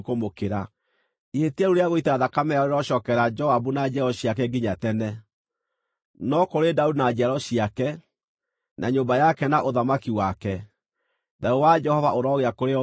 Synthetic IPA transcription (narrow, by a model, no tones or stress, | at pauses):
komokeɾa | ihetiaɾuɾeaɣoitaðakamɛaoɾeɾɔʃɔːkɛɾad͡ʒɔaβunad͡ʒɛɾɔɕiak̬ɛɡiɲatɛnɛ | nɔkoɾedaudinad͡ʒaɾɔɕiakɛ | nʔaɲombajakɛnaʔoðamakiwakɛ | dauwad͡ʒɛhɔvaʔoɾɔɣeakoɾeɔ